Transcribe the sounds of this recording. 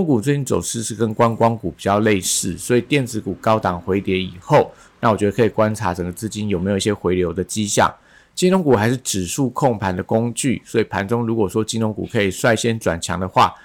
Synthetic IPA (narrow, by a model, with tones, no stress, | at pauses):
ŋku˨˩t͡swe˥˧t͡ɕi˥nt͡so̰˨˩ʊʂɻ̩˥˧ʂɻ̩˥˩kə˦˥nkwa˦˥nkwɑ˥ŋku˨˩pi˨˩t͡ɕjɑ˥˧ʊle˥˧ɪʂɻ̩˥˩swɔ˧˥i˨˩t̪jɛ˥˩nt͡sɹ̩˧˥ku˨˩kɑ˥ʊt̪ɑ˨˩ŋxwe˧˥ɪt̪jɛ˧˥ni˨˩xo˥˩ʊ | na˥˩wɔ˨˩t͡ɕɥɛ˧˥ə˧kʰɤ˧i˨˩kwa˦˥nʈ͡ʂʰa˧˥ʈ͡ʂə˨˩ŋɡə˦t͡sɹ̩˥˩t͡ɕi˥njo˨˩ʊme˧˥jo˨˩˨i˧ɕjɛ˧˥xwe˧˥ɪljo˧˥ʊd̪ə˨t͡ɕi˥ɕjɑ̰˥˨˩ŋ | t͡ɕi˥nlʊ˧˥ŋku˨˩xa˧˥ɪʂɻ̩˥˩ʈ͡ʂɻ̩˨˩ʂu˥˧kʰo˥˩ŋpʰa˧˥nd̪ə˨kʊ˥ŋt͡ɕy̰˥˩swɔ˧˥i˨˩pʰa˧˥nʈ͡ʂʊ˥ŋɻu˧˥kwɔ˨˩ʂwɔ˥t͡ɕi˥nlʊ˧˥ŋkṵ˨˩kʰɤ˧˥i˨˩ʂwa˥˧ɪɕjɛ˥nʈ͡ʂwa̰˨˩nt͡ɕʰjɑ̰˧˦˥ŋd̪ə˨xwa̰˥˩